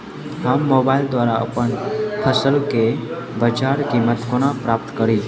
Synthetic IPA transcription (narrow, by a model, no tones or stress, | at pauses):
hamːobaild̪ʋaɾaə̰pəɳpʰəsəlke | bəd͡ʒaɾkimːət̪koɽ̃apɾap̚t̪kəɾi